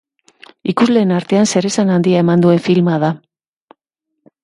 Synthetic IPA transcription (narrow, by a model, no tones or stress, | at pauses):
ikuzle̞ːnaɾt̪e̞anse̞ɾe̞sanand̪iae̞mand̪ue̞ɱfilmað̞a